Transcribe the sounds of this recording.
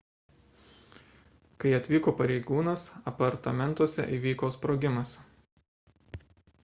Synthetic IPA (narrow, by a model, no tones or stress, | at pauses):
kɐɪɐt̪ʲʋʲiːkoːpɐɾʲɛɪɡuːnɐsɐpɐɾt̪ɐmʲɛnˑt̪uɔsʲɛ̰ʔiːˑʋʲiːkoːspɾoːɡʲɪmɐs